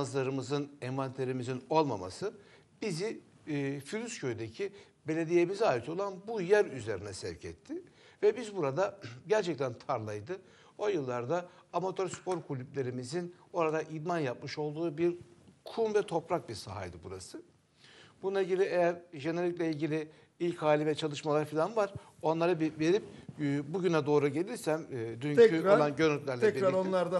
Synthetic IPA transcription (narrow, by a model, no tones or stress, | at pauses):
azlˠaɾɯmɯzɯnɛmvant̪ʰeɾimizino̞lˠmama̰sɯ | b̥izi | fylʲyscʰøjyd̪ecʰi | be̞lʲe̞d̪ije̞mizaːjit̪ʰo̞lˠanbujæɾyze̞ɾinɛsɛvcʰɛ̰t̪ʰːɪ | vɛbizbuɾad̪aɟæɾt͡ʃʰɛc̚t̪ʰænt̪ʰaɾlˠajd̪ɯ | o̞jɯlˠːaɾd̪aːmat̪ʰo̞ɾspʰo̞ɾkʰulʲyplʲe̞ɾimizino̞ɾad̪aʔid̪manjap̚mɯʃo̞lˠd̪uːbiɾkʰumvɛt̪ʰo̞pɾak̚biɾsa̰ɦa̰jd̪ɯbuɾasɯ | b̥unnˠailɟilʲiejæɾʒeneɾʲiclʲɛilʲɟilʲɪ | ilʲchaːlʲivɛt͡ʃʰalˠɯʃmalˠaɾfilʲanvaɾ̥ | o̞nlˠaɾɯbve̞ɾip̚buɟynɛd̪o̞ːɾuɟe̞lʲiɾsæmːd̪yɲɛyoɾlˠanɟøɾnyt̪ʲlʲæɾlʲɛiɾaɾonlˠaɾd̪a